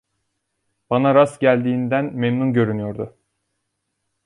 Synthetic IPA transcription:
b̥anaɾasɟælʲd̪iːnd̪ænmemnunɟø̞ɾynyjo̞ɾd̪ʊ

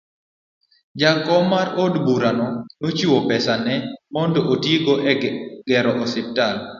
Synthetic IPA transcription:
d͡ʒakɔmaɾodbuɾanɔnot͡ʃiwopɛsanɛmɔndɔʔotiiɡɔʔɛɡ̥ɛɾɔʔɔsɪp̚tal

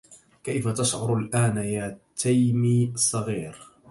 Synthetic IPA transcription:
kajfat̪aʃʕʊɾˤalʔaːnajaːt̪ʰajmiːsˤːɑɣiːɾ

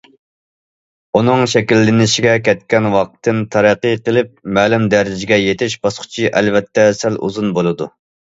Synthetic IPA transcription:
unɨŋʃɛkʲilːɪnɪʃiɡʲɛkʲʰɛt̪̚kʲɛnwɑq̚t̪ʰːɨnt̪ʰɑɾɛqːəqəlˠɪp̚mæːlumd̪æɾɪd͡ʒɪɡʲɛjet̪ʰɪʃb̥ɑsqʰʊ̥t͡ʃʰiʔɛ̰lvɛt̪ʰːɛsɛlṵzunbolˠɨd̪u

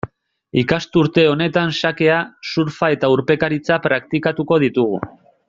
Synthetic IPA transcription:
ikast̪uɾt̪e̞o̞ne̞t̪ansake̞asuɾfae̞t̪auɾpe̞kaɾit͡sapɾakt̪ikat̪uko̞ð̞it̪uɣ̞ṵ

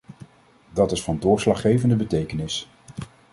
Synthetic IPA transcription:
dɑtɪsfɑndʊːɹslɑχejvəndəbətejkənɪs

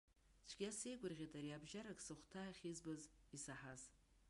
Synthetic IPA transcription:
t͡ʃʷʰɡʲiase̞jɡʷʼʊrʁʲetʼaɾiabʒaɾakʼsɨχʷtʰaːχʲizbazisaħaz

